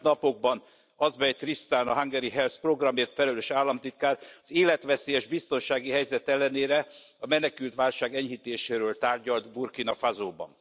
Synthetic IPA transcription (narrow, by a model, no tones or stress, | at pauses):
nɒpo̞ɡ̚bɒn | ɒzbɛjt̪rist̪aːnɒɦaŋɡɛɾiɦɛlspro̞ɡrɒmeːrt̪fɛlɛløːʃaːlːɒmt̪it̪̚kaːrɒzeːlɛt̪ʋɛseːjɛʒbist̪o̞nʃaːɡiɦɛjzɛt̪ɛlːɛneːɾɛ | ɒmɛnɛkylt̪ʋaːlʃaːɡɛɲɦit̪eːʃeːɾøːlt̪aːrɟɒlt̪burkinɒfazoːbɒ̰n